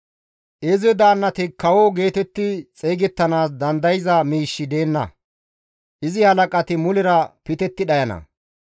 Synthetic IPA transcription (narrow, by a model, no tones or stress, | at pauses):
ʔɛzɛd̪aːnːɐt̪ɪkɐwoɡe̞ːt̪ɛt̪ːɪt͡sʼeːɡɛt̪ːɐnaːsd̪ɐnd̪ɐjɪzɐmiːʃːɪd̪e̞ːnːɐ̰ | ʔɪzɪhɐlɐkʼɐt̪ɪmʊlɪɾɐpɪt̪ɛt̪ːɪɗɐjɐnɐ̰